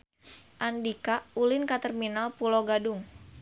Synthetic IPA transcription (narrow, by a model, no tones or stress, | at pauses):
ʔandikaulɪnkat̪ərminalpuloɡadʊŋ